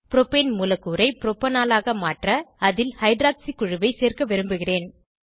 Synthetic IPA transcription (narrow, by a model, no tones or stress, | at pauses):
pɪɾɔpeːnmuːlɐkːuːɾɐɪpɪɾɔpːɐnaːlaːɣɐmaːʈrɐɐðɪlhɐɪɖɾaːksikʊɻɯʋɐɪseːrkɐʋɛɾɯmbɯɣɪreːn